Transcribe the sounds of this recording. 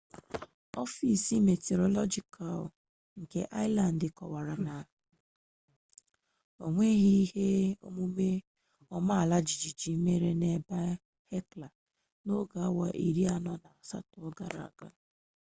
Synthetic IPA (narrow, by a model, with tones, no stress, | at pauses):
ɔ˦fi˦si˦me˨te˨ɾɔ˨lɔ˦d͡ʒi˨kʰa˨l | ŋ̩˨kḛ˨ʔa˦ɪ˦la˨n˨dɪ˨kɔ̰˨wa˨ɾa˨na˨ | o˨ŋʷe˦ɣi˦i˦he˦o̰˦mu˦me˦ | ɔ˦ma˦a˨la˦d͡ʒi˨d͡ʒi˨d͡ʒi˨˦me˦ɾe˦ne˨ba˦ | he˦kla˨ | no˦ɡa˨˦wa̰˨ʔi˨ɾi˦a˦nɔ˦na˨sa̰˦tʊ˦ɔ˦ɡa˦ɾa̰˨ɡa̰˦